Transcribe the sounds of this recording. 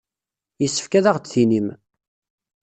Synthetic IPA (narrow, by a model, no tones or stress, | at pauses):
jəsːə̥fkæðaʁt͡sθinim